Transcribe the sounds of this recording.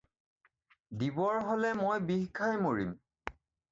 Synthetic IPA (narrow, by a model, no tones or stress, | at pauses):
dibɔɹɦolɛmojbiɦkʰajmoɹim